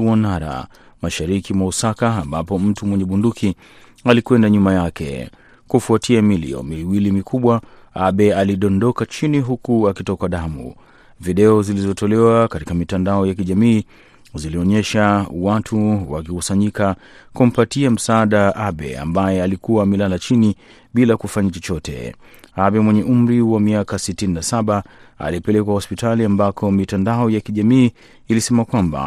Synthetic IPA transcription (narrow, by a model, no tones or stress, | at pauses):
anaɾa̰ | maʃaɾikimwausakaːmbapɔm̩tumwɛɲɛɓundukʰi | alikwɛndaɲumajakɛ̰ | kufuatʰiamilḭɔ̰miwilimikʰuɓwa | aɓɛaliɗɔndɔkat͡ʃiniɦukuakitɔkaɗamṵ | viɗɛɔzilizɔtɔlɛwakatikamitandaɔjakiʄamiː | ziliɔɲɛʃawatʰuwa̰kikusaɲika | kum̩patiam̩saaɗaʔaɓɛ̰a̰mbajɛalikuwamɛlalat͡ʃini | ɓilakufaɲat͡ʃɔt͡ʃɔtɛ̰aɓɛmwɛɲɛʔum̩ɾiwamiakasitininasaɓaa̰lipɛlɛkwahɔspitʰaliambakʰɔmitandaɔjakiʄamiː | lisɛmakwamba̰